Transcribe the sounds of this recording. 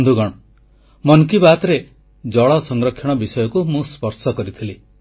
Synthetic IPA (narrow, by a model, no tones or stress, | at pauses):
d̪ʱuɡɔɽ̃ɔ | mɔnkibat̪ɾe | d͡ʒɔɭɔsɔŋɡɾɔkʰːjɔɽ̃ɔbisɔjɔkumũspɔɾsɔkɔɾit̪ʰili